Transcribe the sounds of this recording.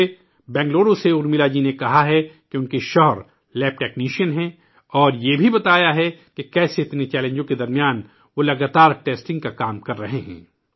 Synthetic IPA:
e | bɛ̃ːŋɡloːɖõseʊɾmɪlad͡ʒinekɐɦaɦɛkẽʊnkeʃɔɦɾ | lɛːp̚ʈɛːkniːʃiənɦɛ̃ | ɔːɾjebʱibɐt̪aːjaɦɛkekɛːseɪt̪net͡ʃɛːlẽːɲd͡ʒõked̪ɐɾmijaːn | ʋolɐɡaːt̪aːɾʈeːsʈɪ̃ŋɡ̚kakaːmkɐɾːɐɦeɦɛ̰̃ː

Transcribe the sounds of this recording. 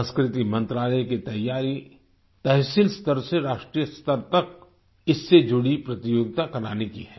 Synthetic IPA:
ə̃nskɾɪt̪imɐ̃nt̪ɾaːləjkit̪ɐjːaːɾi | t̪ɛɦsilst̪əɾseɾaːʃʈɾijəst̪əɾt̪ɐk̚ | ɪsːed͡ʒʊɽipɾɐt̪ijoːɡɪt̪akɐɾaːnekiɦɛː

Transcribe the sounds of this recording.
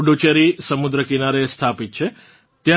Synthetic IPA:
ɖot͡ʃeɾisəmʊd̪ɾəkinaɾest̪ʰapit̪̚t͡ʃʰe | t̪jã

